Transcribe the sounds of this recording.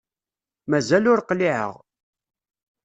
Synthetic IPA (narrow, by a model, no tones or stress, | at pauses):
mæzælʊɾqliʕə̰ʁ